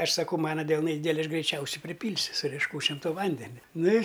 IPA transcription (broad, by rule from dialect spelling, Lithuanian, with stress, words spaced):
ˈɐʃ sɐˈkɐʊ ˈmɑːnɐ dʲɛlˠˈnɐɪ ˈdʲiːdʲɛlʲɪ ˈɐʃ ɡrʲɛɪˈt͡ʃʲɛʊsʲɛɪ pʲrʲɪˈpʲiːlʲsʲʊ sʊ rʲiɛʃˈkuːt͡ʃʲoːm toː ˈʋɐnʲdʲɛnʲɛ ˈnʊ ɪ